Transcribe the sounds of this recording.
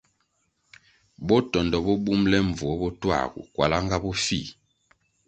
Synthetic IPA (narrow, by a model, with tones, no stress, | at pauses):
bɔ˦tɔ˨ndɔ˨bɔ˦bu˦mlɛ˦ɱ˨vɔ˨˦bɔ˦twa̰˦˨ɡṵ˨kwa˨la˦ŋɡa˦bɔ˦fi˦˨